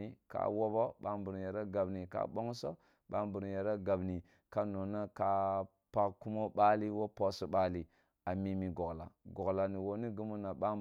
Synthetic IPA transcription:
i˨ka̰˦wo˦bo˦ɓa˦mbu˨ɾje˨ɾa˦ɡa˨bni˨ka̰˦ɓo˦ŋso˦ | ɓa˦mbu˨ɾje˨ɾa˦ɡa˨bni˨ | ka˦no˨na˦ka˦ | pa˦kku˦mo˦ɓa˦li˦wo˦po˨so˦ɓa˦li˨ | a˨mi˨mi˨ɡo˨ɡla̰˨ɡo˨ɡla˨ni˨wo˨ni˦ɡu˦mu˦na˨ɓa˦

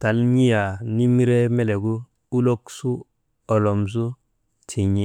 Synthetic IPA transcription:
ta˨lɲi˦ja˨ni˦m˦ɾe˦me˦le˨ɡu˦ | u˦lo˦ksu˦ | o˨lɔ˨ms̬u˦ | t͡ʃi˨ɲi˨˦

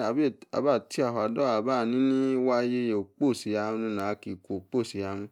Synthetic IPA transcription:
a˨be˦˨a̰˨ba˦˨ti˦a˨ɦo˨a˨dɔ˦a˨ba˦˨nĩ˦nĩ˦wa˦je˧˦jo˨k͡po˦˨si˨ja˧u˧˦nũ˧nã˨˦ki˨kʷo˨k͡po˦˨si˨ja˧˦nũ˧

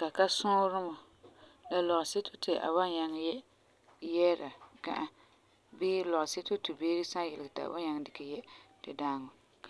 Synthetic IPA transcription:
ka˨ka˦sʊ̃˦ɾɨ˦mɔ˨ | la˨lɔ˨ʔse˦tʰo˦tʰɪ˨ʔa̰˨wa˦ɲa˨ŋ˨jɛ˦ | jɛ˦ɾa˨ka̰˦ʔa˦ | bɪː˦lɔ˨ʔse˦to˦tu˨beː˦ɾi˦sa˦jɛ˨lɪ˨ɡta̰˨wa̰˦ɲa˨ŋ˨dɪ˨kɛ˨jɛ˦tɪ˨daː˦ŋɔ˨ | k

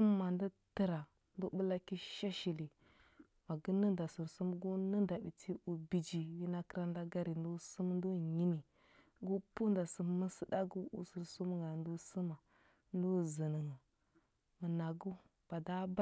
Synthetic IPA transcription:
u˦m˦ma˨ndi˦tə˦ɾa˨ | n˦du˦bə˦la˦ki˦ʃa˦ʃi˨li˨ | ma˨ɡə˦nə˦nda˨su˨ɾsu˦mɡu˦nə˦nda˨bi˨tʰi˦u˨bi˨d͡ʒi˨wi˦na˦kə˦ɾa˦n˦da˦ɡa˦ɾi˨n˦du˦su˦m˦n˦du˦ɲi˦mi˨ | ɡu˦pu˦n˦da˨sə˨mmə˦sə˦da˦ɡu˦ʔṵ˨su˨ɾsu˦m˦ŋɡa˨n˦du˦su˦ma˨ | n˦du˦zə˨nə˨ŋə˨ | mə˨na˨ɡu˦ | b̥a˨da˦ba˦

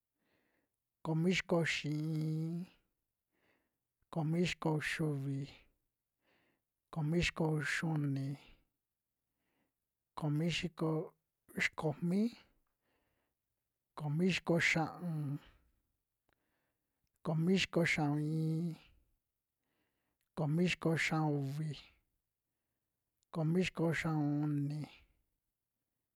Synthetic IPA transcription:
ko˧˨mĩ˦ʃi̥˧ko˧ʃĩ˨ĩː˧˦˧ | ko˨mĩ˦ʃi̥˧ko˧ʃu˧βi˨ | ko˨mĩ˦ʃi̥˧ko˧ʃu˦˧nĩ˧ | ko˨mĩ˦ʃi˧˦ko˧ | ʃi̥˨˧ko˨mĩ˦ | ko˨mĩ˦ʃi̥˧ko˧ʃã˧ʔũ˧ | ko˨mĩ˦ʃi̥˧ko˧ʃã˧ũ˧ĩː˧˦ | ko˨mĩ˦ʃi̥˧ko˧ʃã˧u˧βi˧ | ko˨mĩ˦ʃi̥˧ko˧ʃã˧ũ˧u˧nĩ˧

